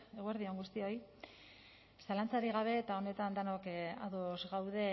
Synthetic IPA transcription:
e̞ɣueɾðio̞ŋɡust̪io̞j | salant͡saɾiɣ̞aβ̞e̞t̪ao̞ne̞t̪and̪anoka̰ðozɣawðe̞

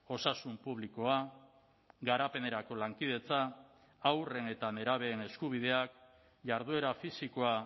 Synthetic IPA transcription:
o̞sasumpuβ̞liko̞a | ɡaɾape̞ne̞ɾako̞laŋkið̞e̞t͡saː | wre̞ne̞t̪ane̞ɾaβ̞e̞ːne̞skuβ̞ið̞e̞ak | ʝaɾðue̞ɾafisiko̞a

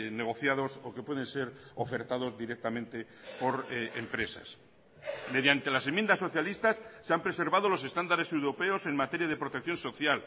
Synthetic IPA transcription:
neɣ̞o̞θjaðo̞sokepweðe̞nse̞ɾofe̞ɾt̪aðo̞zðiɾek̚t̪amẽ̞nt̪e̞ | po̞ɾempɾe̞sa̰s | me̞ðjant̪e̞lasemjend̪asːo̞θjalist̪asːeampɾe̞se̞ɾβað̞o̞lo̞se̞st̪and̪aɾese̞wɾo̞pe̞ose̞ŋmat̪e̞ɾjað̞e̞pɾot̪ekθjõ̞nso̞θjal

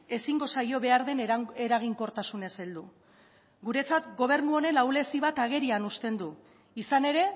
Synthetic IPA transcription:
e̞siŋɡo̞sajo̞βe̞aɾðe̞neɾaɣ̞iŋko̞ɾt̪asune̞seld̪u | ɡuɾe̞t͡sat̪ɡo̞β̞e̞ɾnuo̞ne̞lawle̞siβat̪aɣ̞e̞ɾianust̪e̞nd̪u | isane̞ɾe̞

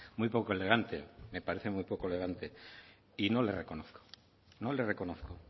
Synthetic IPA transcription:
mujpokoe̞le̞ɣ̞ant̪ḛme̞paɾe̞θe̞mujpokoele̞ɣ̞ant̪e̞ | ino̞le̞reko̞noθko̥ | nolere̞ko̞noθko

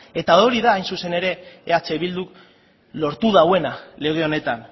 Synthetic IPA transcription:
e̞t̪aoɾiðaːjnsuse̞ne̞ɾe̞ːat͡seβild̪uk | lo̞ɾt̪uð̞awe̞nale̞ɣ̞eo̞ne̞t̪an

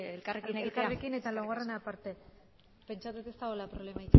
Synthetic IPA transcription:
elkarekineɣeit̪aarekine̞t̪aloɣarenapaɾt̪e̞ | pe̞nt͡ʃat̪ut̪est̪aɣolapɾo̞βle̞mait̪u

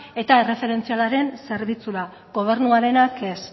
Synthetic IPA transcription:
e̞t̪ae̞re̞fe̞ɾe̞nt͡sialaɾe̞nse̞ɾβit͡suɾa | ɡo̞β̞e̞ɾnuaɾe̞nake̞s

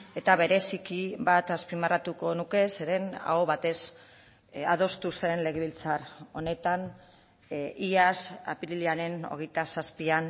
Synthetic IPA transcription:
e̞t̪aβe̞ɾe̞sikiβat̪aspimarat̪uko̞nuke̞se̞ɾe̞na̰oβat̪e̞s | að̞o̞st̪use̞nle̞ɣeβilt͡saro̞ne̞t̪an | iasa̰piɾiliaɾe̞no̞̰ɣ̞ejt̪asaspian

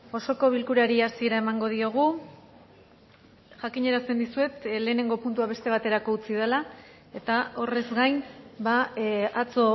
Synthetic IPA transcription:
o̞so̞ko̞β̞ilkuɾaɾiasie̞ɾae̞maŋɡo̞ð̞io̞ɣ̞u | ʝakiɲe̞ɾase̞nd̪isue̞t̪le̞ːne̞ŋɡo̞punt̪uaβ̞e̞st̪e̞β̞at̪e̞ɾako̞ut͡siðela | e̞t̪ao̞re̞zɡajnbaat͡so̞

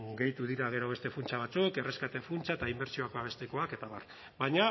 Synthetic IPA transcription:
ɡe̞jt̪uðiɾaɣ̞eɾo̞βe̞st̪e̞funt͡ʃaβ̞at͡suke̞reskat̪e̞funt͡saet̪aimbe̞ɾsio̞ako̞aβe̞st̪iko̞ake̞t̪aβar | baɲa

